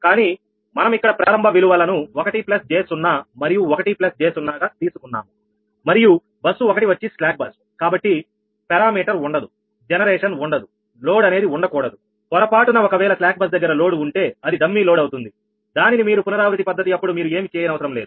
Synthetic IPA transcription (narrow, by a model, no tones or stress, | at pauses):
kaːniː | mɐnɐmikːɐɽɐpɾaːɾɐmbʱɐbiluʋɐlɐnuɔkɐʈiplɐst͡ʃe̞ːsunːaːmɐɾijuɔkɐʈiplɐst͡ʃe̞ːsunːaːɡaːt̪iːsu̥kunːa̰ːmu | mɐɾiju | bɐsːuɔkɐʈiʋɐt͡ʃːislaːk̚bɐs | kaːbɐʈːi | pɛɾaːmiːʈɐɾuɳɖɐd̪u | d͡ʒɛnɐɾeːʂɐnuɳɖɐd̪u | lo̞ːɽɐne̞ːd̪iuɳɖɐkɔːɽɐd̪u | kɔɾɐpaːʈunɐɔkɐʋɛːlɐslaːk̚bɐsd̪ɐɡːɐɾɐlo̞ːɽuuɳʈe̞ːɐd̪id̪ʱɐmːiːloːɽɐwt̪und̪i | d̪aːninimiːɾupunɐɾaːʋɾut̪ipɐd̪ːɐt̪iɐpːuɽumiːɾue̞ːmikeːjɐnɐʋɐsɐɾɐmle̞ːd̪u